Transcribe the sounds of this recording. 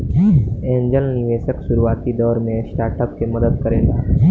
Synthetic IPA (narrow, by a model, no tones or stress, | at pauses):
ẽːɲd͡ʒəlnɪʋeːʃəkʃʊɾuaːt̪id̪ɔːɾmẽsʈaːɾʈəp̚kemɐd̪əd̪̚kɐɾḛːlaː